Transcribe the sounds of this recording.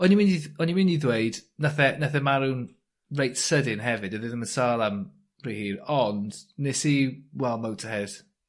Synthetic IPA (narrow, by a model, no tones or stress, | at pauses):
ɔnimɪndiɔnimɪndiðwejd̥naθɛnaθɛmaɾun | rejtsədɪnɦɛvɪdəðɪðəmənsaːlˠam | rihiːɾɔnd̥nesiwɛlˠmow̚tʰəhɛð̥